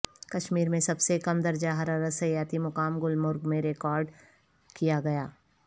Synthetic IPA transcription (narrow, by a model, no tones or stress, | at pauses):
kɐʃmiːɾmẽsɐbsekɐmd̪ɐɾd͡ʒaɦɐɾaɾɐsəjaːt̪imʊkaːmɡʊlmʊɾɡmẽɾekɔːɾɖ | kijaɡɐjaː